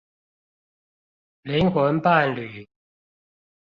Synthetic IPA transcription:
li˨˦˥nxwə˧˥npa˥˨nly˨˩

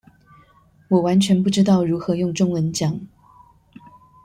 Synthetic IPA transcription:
wɔ˨˩wa˧˥nt͡ɕʰɥɛ˧˥npu˥˩ʈ͡ʂɻ̩˥t̪ɑ˥˩ʊɻu˧˥xɤ˧˥jʊ˥˧ŋʈ͡ʂʊ˥˩ŋwə˧˥nt͡ɕjɑ˨˩˦ŋ

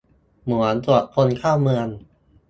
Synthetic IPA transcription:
mu˩˦ənt̪u˨˩ət̪̚kʰo˧nkʰaː˥˩wmɯ˧ən

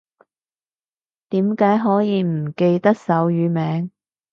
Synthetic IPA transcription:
t̪iː˨˥mkaː˨˥jɦɔː˨˥jiː˨˧m̩˨˩ke˧jt̪ɐ˥k̚sɐ˨˥wjyː˨˧mɛː˨˥ŋ

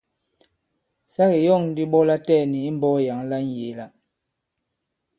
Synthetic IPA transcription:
sa˦ɣi˨jɔ˦˨ŋn˦di˦ɓɔ˦la˦tɛ˦˨ni˨i˦m˦bɔ˦ja˨˦ŋla˦n̩˦je˨˦la˦

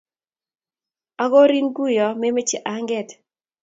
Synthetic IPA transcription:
a˦ɡɔ˦ɾi˦nɡu˦jɔ˨me˦me˦t͡ʃɛ˨ʔa˨ŋɡɛ˦˨t

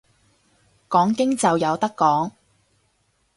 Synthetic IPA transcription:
kɔː˨˥ŋkɪ˥ŋt͡sɐ˨wjɐ˨˧wt̪ɐ˥kːɔː˨˥ŋ

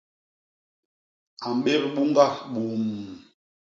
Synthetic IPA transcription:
a˨m˨ɓe˦ɾɓu˦ŋɡa˦ɓu˨˦m

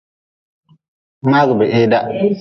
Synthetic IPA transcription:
maː˦ɡʊ˨bɛ˨ʔe˦da˦

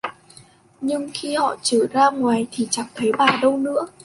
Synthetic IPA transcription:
ɲɨ˧ŋxi˧hɔ̰˧˨t͡ɕəː˧˩zaː˧ŋwaː˨˩jt̪ʰi˨˩t͡ɕa˨˩ŋt̪ʰə˨˦jɓaː˨˩ɗə˧wnɨ̰˧˥ə

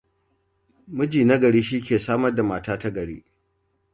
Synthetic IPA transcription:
mʊ˦d͡ʒiː˨na˦ɡɐ˨ɽiː˦ʃ̬i˦kʲeː˨saː˦mɐ˦rda˨maː˨taː˦ta˦ɡɐ˨ɽḛː˦

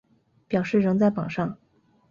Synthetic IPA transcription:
pjɑ˨˩ʊʂɻ̩˥˩ɻɤ˧˥ŋt͡sa˥˩ɪpɑ˨˩ŋʂɑ˥˩ŋ

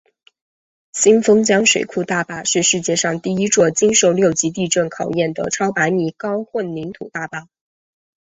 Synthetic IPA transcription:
ɕi˥nfɤ˥ŋt͡ɕjɑ˥ŋʂwe˨˩ɪkʰu˥˧t̪a˥˩pa˥˩ʂɻ̩˥˧ʂɻ̩˥˧t͡ɕjɛ˥˧ʂɑ˥˧ŋt̪i˥˩i˥ʈ͡ʂwɔ˥˩t͡ɕi˥nʂo˥˧ʊljo˥˩ʊt͡ɕi˧˥t̪̬i˥˧ʈ͡ʂə˥˩nkʰɑ˨˩ʊjɛ˥˩nd̪ə̰˩ʈ͡ʂʰɑ˥ʊpa˧˥ɪmi˨˥˩kɑ˥ʊxwə˥˩nli˧˥nt̪ʰṵ˨˩t̪a˥˧pa˥˩

